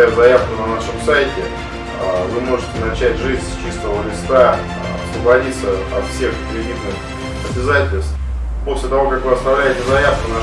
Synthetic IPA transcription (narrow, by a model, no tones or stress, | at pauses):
jʊzɐjafkʊnɐnaʂɨmsajtʲɪ | vɨmo̞ʐɨtʲɪnɐt͡ɕætʲʐɨzʲsʲt͡ɕist̪əvəlʲɪst̪a | ɐ̰svəbɐdʲit̪səɐt̪fsʲexpɾʲɪdʲit̪nɨx | əbʲɪzatʲɪlʲst̪ | po̞sʲlʲɪt̪ɐvo̞kakvɨɐst̪ɐvlʲæjɪtʲɪzɐjafkʊnɐ